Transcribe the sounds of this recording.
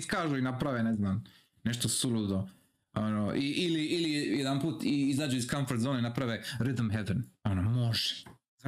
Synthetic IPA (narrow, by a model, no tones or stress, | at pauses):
skaːʒuinapɾaʋeneznam | neʃt̪osulud̪o | onoʔiʔiliilijɛjɛd̪anpuːt̪iizaːd͡ʒuiskaɱfoɾt̪zoneinapɾaʋeɾit̪mɦɛd̪enonomoʒɛ̥